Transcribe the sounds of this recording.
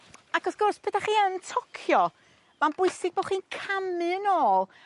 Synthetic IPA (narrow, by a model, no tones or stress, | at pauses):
aɡɔsɡ̥ʊrspʰədaχiːəntʰɔkʰjɔ | manb̥ʊɨsɪɡ̚boːχiːnkʰamɨənoːlˠ